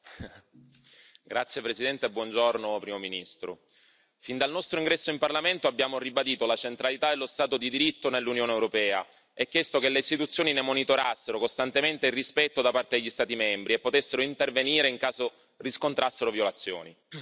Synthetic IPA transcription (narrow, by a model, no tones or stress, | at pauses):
ɡɾat̪sːjepɾesid̪ɛnt̪ebːwɔnd͡ʒornopɾiːmominist̪ɾo̰ | find̪alnɔst̪ɾoiŋɡɾɛsːoimparlament̪oabːjaːmoribad̪iːt̪olat͡ʃent̪ɾalit̪aelːost̪aːt̪od̪id̪iɾit̪ːonelːunjoːneewɾopɛːa̰ | ɛkːjest̪ok̟eleist̪it̪ut̪sːjoːninemonit̪oɾasːeɾokost̪ant̪ement̪eirːispɛt̪ːod̪apart̪ed̪eʎːist̪aːt̪imɛmbɾiepːot̪esːeɾoint̪erveniːɾeiŋkaːzo | riskont̪ɾasːeɾovjolat̪sːjo̰ːni